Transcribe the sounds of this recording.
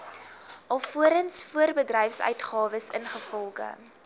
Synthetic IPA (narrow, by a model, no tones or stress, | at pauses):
ʔɐlˠfuəɾənsfuərbədrɛjfsœ̰ɥtχɑːvəsənχəfɔlˠχə̰